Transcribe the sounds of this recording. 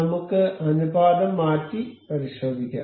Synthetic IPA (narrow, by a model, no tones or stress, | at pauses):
ɐmukːɨɐnubaːd̪ɐmːaːtːipɐɾiʂoːd̪ikʲːɐ̰